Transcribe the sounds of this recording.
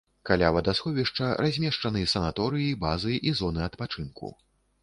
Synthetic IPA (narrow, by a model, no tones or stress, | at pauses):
kalʲavɐd̪asxɔvʲiʂt͡ʂɐrazʲmʲɛʂt͡ʂɐnɨjɛsɐnat̪ɔɾɨjibazɨʔizɔnɨɐt̪pat͡ʂɨnkṵ